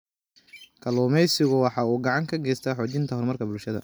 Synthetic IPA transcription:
kʰɐluːmɛjsɪɣʊwɑħɑːuːɡɑʕɑŋkʰɐɡɛjst̪ʰaːħɔːt͡ʃɪnt̪ʰɐɦɔrmɐrkʰɐbʊlʃɐðɐ̰

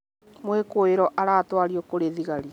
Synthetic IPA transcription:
mwekoeɾɔʔaɾatwaɾjɔkoɾeðiɣaɾi

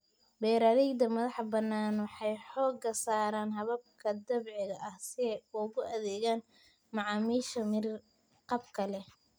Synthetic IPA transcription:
bɛːɾɐðɛjd̪ɐmɐðɑħbɐnːaːnwɑħɑjħɔːɡɐsaːɾaːnɦɐβɐb̚kʰɐd̪ɐβʕɪɣɐʔɐhsɪðɛjʊɣʊʔɐðɛːɣaːn | mɑʕɑːmiːʃɐmɪr | qɑb̚kʰɐlɛ

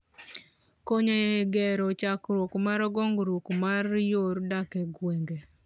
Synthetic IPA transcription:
koɲeɡɛɾɔt͡ʃakɾwokmaɾɡɔŋɡɾokmarjoɾdakɛɡweŋɡe

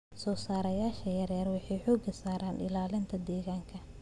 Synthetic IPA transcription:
sɔːsaːɾɐjaːʃɐjɐɾɛːrwɑħɑjħɔːɡɐsaːɾaːnɪ̰laːlɪnt̪ʰɐd̪ɛːɣaːŋkʰɐ

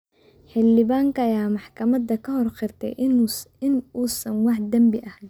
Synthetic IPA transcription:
ħɪlːɪβaːŋkʰɐɐjaːmɑħkʰɐmɐd̪ɐkʰɐhɔrqɪrt̪ʰɛ̰jɪnuːsɐnwɑħd̪ɐmbɪʔɐh

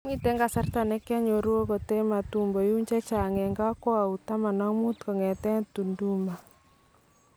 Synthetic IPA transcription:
ŋit̪ɛŋkasart̪anɛkaɲoɾuɔkɔt̪ɛmat̪umbɔjuɲt͡ʃɛt͡ʃaŋɛŋkakoaut̪amanaŋmut̪̚kəŋɛt̪ɛŋt̪unduma

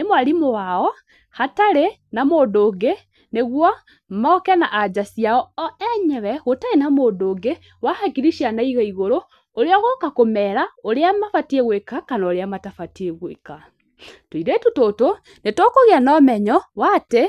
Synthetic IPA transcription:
nemwaɾimowaɔ | hataɾe | namodoːɡe | neɣwɔ | maːkɛna̰ʔːd͡ʒasjaɔɔɛɲɛβɛɣotaɾenamoːdoɡe | wahaɡiɾiʃjanaiɣaiɣoɾo | oɾeɔɣokakomɛɾaoɾeamafatieɣwekakanaːɾeamatafateɣweka | twiɾetutoto | netokoɣeanɔːmɛɲɔwate

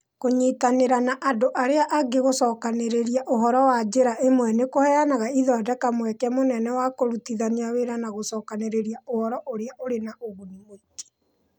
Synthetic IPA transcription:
koɲitaneɾanaʔadoʔaɾeaʔaɡeɣosɔːkaneɾeɾiaʔoɦɔɾɔwad͡ʒeɾaʔemwɛnekohɛjanaɣaiðɔadɛkamwɛkɛmonɛnɛwakoɾutiðaniaweɾanaɣosɔːkaneɾeɾiaohɔɾɔʔoɾeaʔoɾenaʔoɣunimete̥

